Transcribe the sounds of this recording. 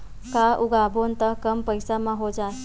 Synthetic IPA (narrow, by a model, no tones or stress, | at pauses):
kaʔuɡabʱont̪akəmpəjsamaɦod͡zas